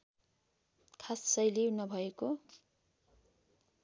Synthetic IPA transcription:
kʰassʌjlenʌbʱʌeko

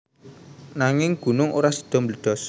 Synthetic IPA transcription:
naŋɪŋɡ̥ṳnʊŋʔo̰ɾasi̥d̪̥ɔ̤mləd̪̥ɔ̤s

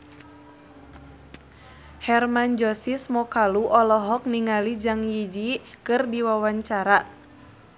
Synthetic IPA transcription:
hɛrmand͡ʒɔsismɔkaluʔɔlɔɦɔk̚niŋalid͡ʒaŋjid͡ʒi | kɨrdiwawaɲt͡ʃaɾa

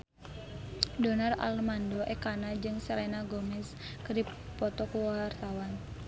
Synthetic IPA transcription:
dɔnara̰lmandɔʔɛkanad͡ʒɨŋsɛlɛnaɡɔmɛs | kɨrdipɔt̪ɔkuwart̪awan

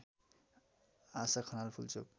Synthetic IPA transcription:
asakʰʌnalpʰult͡sʰo̰k

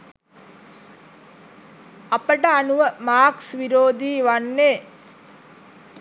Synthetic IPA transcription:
apəʈəanuʋəmaːksʋiɾoːd̪iːʋanːeː

